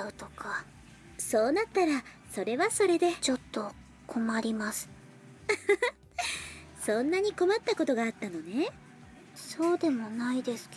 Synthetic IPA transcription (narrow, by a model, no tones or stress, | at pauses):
ɯ̟t̪oka | so̞ːnat̪ːaɾa | so̞ɾe̞βaso̞ɾe̞d̪e̞t͡ɕo̞t̪ːo̞ | kʰo̞maɾʲimasɨ̥ | sõ̞nːaɲ̟iko̞mat̪ːako̞t̪o̞ɡaːt̪ːano̞ne̞ | so̞ːd̪e̞mo̞naid̪e̞sɨ̥k